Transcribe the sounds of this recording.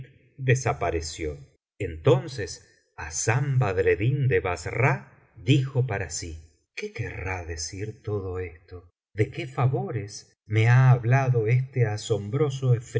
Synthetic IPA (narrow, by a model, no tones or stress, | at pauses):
d̪esapaɾesjo | ent̪o̞nses | asambaðɾeðind̪eβasra | d̪ixo̞paɾasi | kekeraðe̞siɾt̪oðoest̪o | ðe̞kefaβo̞ɾes | me̞aːβlaðo̞est̪easo̞mbɾo̞s̬oef